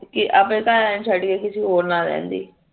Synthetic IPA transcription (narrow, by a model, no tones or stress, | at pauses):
kɪʔapẽːkaːɛːnt͡ʃʰəʈkeːkɪsiːɦoːɾnaːɾɛ̰̃ːnd̪ḭː